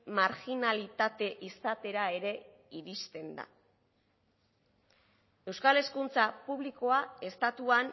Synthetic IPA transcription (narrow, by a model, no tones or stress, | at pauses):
maɾɣinalit̪at̪e̞ʔisat̪e̞ɾae̞ɾe̞ | iɾist̪e̞nd̪a̰ | e̞wskale̞skunt͡sapuβliko̞ae̞st̪at̪uan